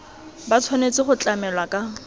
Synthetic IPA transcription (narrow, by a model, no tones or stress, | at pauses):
bat͡sʰwanet͡sɪχʊt͡ɬʼamɛlwakʼa